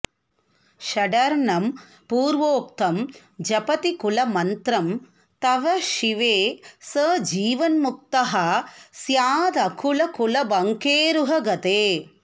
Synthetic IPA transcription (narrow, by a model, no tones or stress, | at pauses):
ʃɐɖɐɾɳɐm | puːɾʋoːk̚t̪ɐm | d͡ʒɐpɐt̪ikulɐmɐnt̪ɾɐm | t̪ɐʋɐʃiʋeːsɐd͡ʒiːʋɐnmuk̚t̪ɐɦɐsjaːd̪ɐkʰulɐkulɐbɐŋkeːɾuɦɐɡɐt̪eː